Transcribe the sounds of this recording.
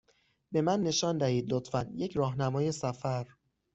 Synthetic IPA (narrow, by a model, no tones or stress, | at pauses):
be̞mænːe̞ʃɒːnd̪æhiːd̪lot̪fænje̞cʰɾɒːɦnæmɒːje̞sæfæɾ